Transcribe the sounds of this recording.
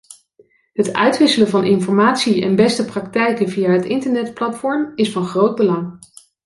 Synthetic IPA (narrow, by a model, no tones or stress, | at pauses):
ɦətœ̰ɥtʋɪsələvɑnʔɪnfɔɹmaːtsiɛ̰nbɛstəprɑk̚tɛjkəvijaːɦətɪntəɹnɛtplɑtfɔɹmɪsfɑnχrowd̚bəlɑŋ